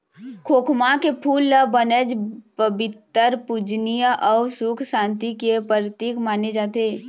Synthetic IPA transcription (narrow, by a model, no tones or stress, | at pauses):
kʰoːkʰmakepʰuːlːəbənəd͡ʒpəbɪt̪ːəɾpud͡ʒnijəʔɔːsʊkʰsãːnt̪ikepəɾt̪iːkmaːned͡ʒaːt̪eː